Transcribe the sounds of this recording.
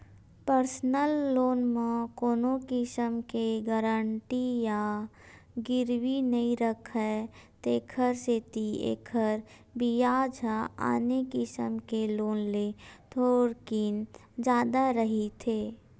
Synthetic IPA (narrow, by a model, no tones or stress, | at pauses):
pəɾsnəlːoːnmẽkoːnokɪsəmkeɡəɾəɳʈija | ɡɪɾwinəĩɾəkʰɦɛt̪eːkʰəɾset̪iḛːkʰəɾ | bijaːd͡ʒaa̰ːnekɪsə̰mkeloːnlet̪ʰoːɾkiːn | d͡ʒaːd̪aɾəɦit̪ʰeː